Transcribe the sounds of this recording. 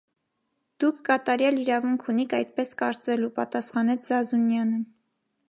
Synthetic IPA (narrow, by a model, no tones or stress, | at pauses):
d̪̥ukʰːɑt̪ɑɾjɑliɾɑvuŋkʰunikʰɑjt̪pɛskɑɾt͡sɛlupɑt̪ɑsχɑnɛt͡sʰzɑzunjɑnə